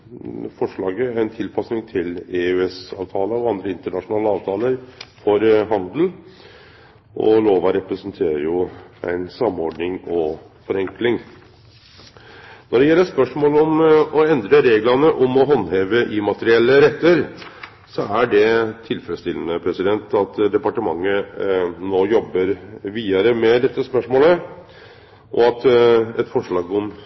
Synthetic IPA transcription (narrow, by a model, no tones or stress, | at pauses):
fɔʂɭɑːɡəɾæɪnt̪ʰɪlpʰɑsnɪŋt̪ʰɪleʉɛsɑ̰ːʋt̪ʰɑːləɔɑnd̪ɾəɪnt̪əɳɑʂʊnɑːləɑːʋt̪ʰɑːləɾfɔɾɦɑnd̪l̩ | ʔɔ̰loːʋɑɾɛpɾəsənt̪ʰeːɾəɾjʊæ̰ɪnsɑmːɔɾɖnɪŋɔ | fɔɾɛŋklɪŋ | nɔɖɛjɛlːəspœʂmoːlɔmɔɛnd̪ɾəɾeːɡlɑnəʔɔmɔɦɔnːheːʋəʔɪmɑt̪əɾɪɛlːəɾɛt̪ːəɾ | sɔæɖɛt̪ʰɪlfəɾəst̪ɪlənəpʰɾɛsɪd̪ɛnt̪ɑt̪d̪ɛpɑʈəmɑŋːənoːjɔbːəɾʋiːɑɾəmɛd̪ɛt̪ːəspœʂmoːlə | ʔɔ̰ɑt̪ɛt̪fɔʂɭɑːɡɔm